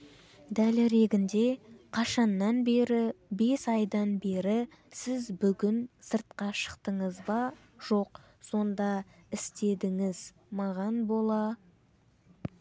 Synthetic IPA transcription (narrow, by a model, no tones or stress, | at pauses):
d̪ælɾe̞ɡʲɪnd̪e̞qʰɑʃɑnːɑnbe̞ɾɪbe̞sɑjd̪ɑnbe̞ɾɪ | sɪzbʏɡʲɪnsəɾt̪̚qɑʃə̥qt̪əɴəzbɑ | ʒ̥o̞q | so̞nd̪ɑɪst̪e̞d̪ɪŋɪz | mɑʁɑnbo̞lˠɑ